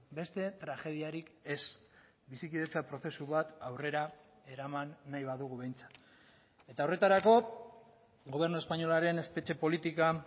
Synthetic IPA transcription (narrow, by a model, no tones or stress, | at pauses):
be̞st̪e̞t̪ɾaxe̞ð̞iaɾike̞s | bisikiðe̞t͡sapɾo̞θe̞suβat̪awre̞ɾa | e̞ɾamanːajβaðuɣuβe̞jnt͡sḁt̪ | e̞t̪ao̞re̞t̪aɾako̞ | ɣo̞β̞e̞ɾnue̞spaɲo̞laɾe̞ne̞spe̞t͡ʃe̞po̞lit̪ika